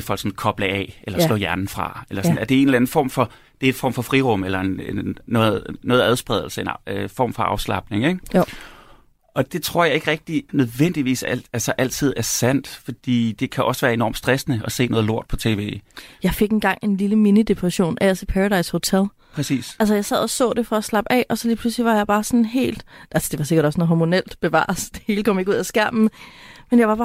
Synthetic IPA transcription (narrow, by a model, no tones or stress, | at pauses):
efɒl̰ɡ̥sɔ̽n̩kʰɒ̽b̥ləɛ̰elɐslɔ̰̽ːjæɐnn̩fʁɑ̈elɐsɔnæɐd̥e̝e̝nlæn̩fɒ̰ːmfɒ̽ | d̥e̝ɐe̝nfɒ̰ːmfɒ̽fʁiʁɔ̽m̰elɐeneːɔ̽ːð̩ˠnɔ̽ːð̩ˠæð̞ˠsb̥ʁɛð̞ˠl̩səenfɒ̰ːmfɒ̽ɑ̈ʊslɑ̈b̥̚ne̝ŋeɡ̥ | ʔɒ̽d̥e̝t͡sʰʁo̝ɐ̰jɑ̈e̝ɡ̥ʁɛɡ̥̚d̥inøð̞ˠʋen̰d̥iʋḭːsæælsɐʔæl̰t͡sʰið̞̰ˠæɐsæn̰d̥fɒ̽d̥ḭːd̥e̝kʰæʔɒ̽sʋæːɐe̝nɒ̰md̥sd̥ʁɛsnəɒ̽se̝̰ːnɔ̽ð̞ˠlo̝ɐ̰d̥pʰɒ̽t͡sʰe̝ːʋe̝̰ːjɑ̈ɪfe̝ɡ̥e̝nɡ̥ɑ̈ŋ̰e̝nliləminid̥e̝pʰʁɛɕo̝̰ːnʔæsepʰæʁɑd̥ɑ̈ɪsho̝t͡sʰel | pʰʁɛsḭːsæls̬əjɑ̈ɪsɛð̞̰ˠɒsɔ̰̽ːd̥e̝fɒ̽æslɑ̈b̥ɛ̰ʔɒ̽sɒ̽liːpʰl̥usliʋɑ̈jɑ̈ɪb̥ɑ̈ːsɔ̽nɦe̝̰ːld̥ʔælsəd̥e̝ʋɑ̈se̝ɡ̥ɐɾɒ̽snɔɦɒmo̝nel̰d̥b̥e̝ʋɑ̰̈ːsd̥e̝he̝ːləkʰɒ̽m̰je̝ɡuð̰ˠæsɡ̥æɐ̰mn̩menjɑ̈ɪɑ̈b̥ɑː